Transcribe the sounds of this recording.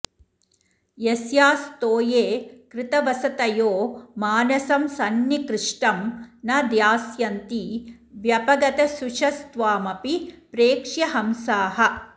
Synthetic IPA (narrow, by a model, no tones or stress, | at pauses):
jesjaːst̪oːjeːkɾɪt̪ɐʋɐsɐt̪ɐjoːmaːnɐsɐmsɐnjɐkɾɪʂʈɐmnɐd̪jaːsjɐnt̪i | ʋjɐpɐɡɐt̪ɐsuʃɐst̪ʋaːmɐpipɾeːkʂjɐɦɐmsaːɦɐ̆